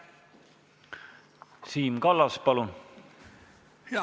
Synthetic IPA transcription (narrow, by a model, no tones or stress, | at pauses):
siːmkɑlːɑspɑlun